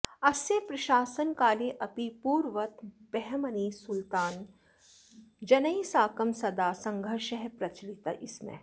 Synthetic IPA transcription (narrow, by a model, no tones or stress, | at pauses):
ɐsjepɾɐʃaːsənkaːleʔɐpipuːɾʋɐt̪b̥ɛɦmɐniːsʊlt̪aːn | d͡ʒɐnɐisaːkɐmsɐd̪aːsɐ̃ŋɡʱəɾʃɐɦpɾɐt͡ʃlit̪ɐʔɪsmḛ̃